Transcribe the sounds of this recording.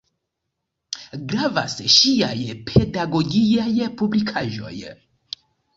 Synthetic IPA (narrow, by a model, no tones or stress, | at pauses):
ɡɾava̰sʃia̰jpʰe̞daɡo̞ɡiajpublikʰaʒo̞̰j